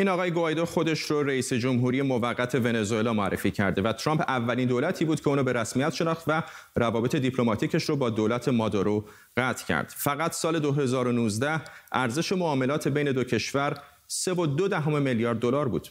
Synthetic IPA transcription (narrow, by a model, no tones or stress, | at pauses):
ʔiːnɒɣɒːje̞ɡoɒjd̪oxo̞d̪e̞ʃɾoɾeiːsed͡ʒomɦuːɾijemovæɣːæt̪ʰe̞ve̞ne̞zoe̞lɒːmoæ̰rːḛfiːcʰæ̰ɾd̪e̞væt̪ʰɾɒːmpævːæliːnd̪olæt̪ʰiːbuːd̪̥cʰeuːnɔːbe̞ɾæsmijæt̪ʃe̞nɒːχt̪væ | ɾævɒːbe̞t̪ʰe̞d̪ipʰlo̞mɒːt̪ʰiːcʰeʃɾobɒːd̪oːlæt̪ʰe̞mɒːd̪oɾo | ɣæt̪ʰcʰæ̰ɾd̪̥fæɣæt̪ʰsɒːle̞d̪oɦe̞zɒːɾo̞nuːzd̪æhʔæɾze̞ʃe̞moɒːme̞lɒːt̪ʰe̞be̞jne̞d̪o̞cʰe̞ʃvæɾ | se̞vod̪o̞d̪æɦomemeljɒːɾd̪ːo̞lɒːɾbṵːd̪̥